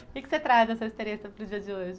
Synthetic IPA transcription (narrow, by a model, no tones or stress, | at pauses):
kɪkɪ̥set̪ɾat̪ɐd̪ɛsɐist̪eɾẽsɐpɾʊzd͡ʒiɐzd͡ʒɪoʒɪ